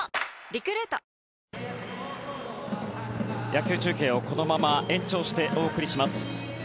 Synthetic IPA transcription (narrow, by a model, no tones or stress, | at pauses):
ɾʲikɯ̟ɾet̪a | jakʲɨːt͡ɕɨːkẽ̞ːo̞ko̞no̞mamaʔẽ̞ɲ̟t͡ɕo̞ːɕi̥t̪e̞ʔo̞ːkɯ̟ɾʲiɕimasɨ̥